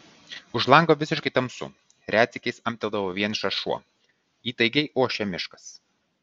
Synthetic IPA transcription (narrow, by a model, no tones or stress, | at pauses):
ʊʒlˠɐˑŋɡoːʋʲɪsʲɪʃkɐɪt̪ɐmsʊ̰ | ɾʲæːt̪sʲɪkʲɛɪsɐmʲt̪ʲɛlˠd̪ɐʋoːʋʲiɛnʃɐʃuɔ | iːt̪ɐɪɡʲɛɪʔoɔʃʲɛmʲɪʃkɐ̥s